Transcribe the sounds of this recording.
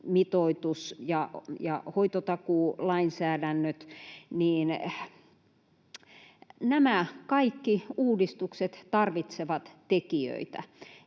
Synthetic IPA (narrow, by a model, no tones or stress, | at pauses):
mit̪oit̪usjɑjɑ̰hoit̪ot̪ɑkuːlɑinsæːdænːøt̪niːn | næmækɑikːiuːdist̪ukset̪t̪ɑrʋit̪seʋɑt̪t̪ekiø̰it̪æ̰